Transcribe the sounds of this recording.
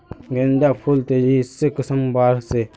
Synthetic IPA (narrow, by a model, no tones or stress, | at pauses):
ŋɡend̪akʰolt̪əjisəkəsəmbaɾse